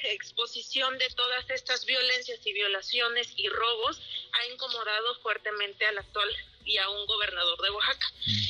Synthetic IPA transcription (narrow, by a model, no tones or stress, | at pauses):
ekspo̞sisjo̞nd̪e̞t̪o̞ð̞ase̞st̪azβjo̞le̞nsjasiβ̞jo̞lasjo̞ne̞siro̞β̞o̞saeŋko̞mo̞ðað̞o̞fwe̞ɾt̪e̞mẽ̞nt̪e̞alak̚t̪wal | iauŋɡo̞β̞e̞ɾnað̞o̞ɾðe̞βwaxakḁ